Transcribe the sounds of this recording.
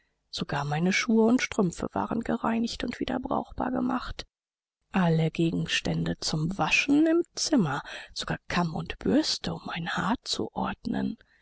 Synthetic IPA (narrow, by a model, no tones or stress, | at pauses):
z̥oɡaːɐmaɪnəʃuːəʊntʃtʁ̥ʏmfə̰v̥a̰ːʁənɡəʁaɪnɪçtʊntv̥iːdɐbʁa̰ʊxb̥a̰ːɐɡəmaχt | ʔaləɡeːɡŋ̩ʃtɛndət͡sʊmvaʃn̩ɪmt͡sɪmɐz̥oɡ̥aːɐkʰamʊ̰ntb̥ʏɐstəʊmʔaɪnhaːt͡sṵʔɔɐdnə̰n